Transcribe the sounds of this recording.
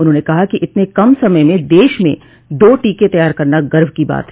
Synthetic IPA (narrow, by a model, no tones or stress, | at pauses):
ʊnɦõːnekɐɦakiʔɪt̪nekɐmsɐməjmẽd̪eːʃmḛ̃ | d̪oːʈiːket̪ɐjaːɾkɐɾnaɡɐɾʋkiba̰ːt̪ɦ